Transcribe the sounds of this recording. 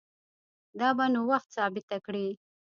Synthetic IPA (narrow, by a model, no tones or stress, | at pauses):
d̪ɑːbanuwaxt̪sɑːbɪt̪akɽi